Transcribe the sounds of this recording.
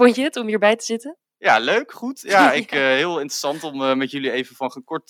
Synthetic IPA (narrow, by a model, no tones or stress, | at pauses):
ɔɲt͡ʃəətɔmɦiːɹbɛjtəz̥ɪtən | jaːløɥkχutjaɪkəɦɪːlˠɪntrəsɑntɔməmɛtjɵliejvəfɑnχənkɔɹt